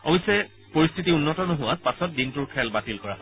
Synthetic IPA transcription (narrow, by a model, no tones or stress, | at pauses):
ɔbisɛ | poɹistʰitiunːɔtɔnoɦʊwaspasɔt̚dintʊɹkʰɛlbatilkɔɹa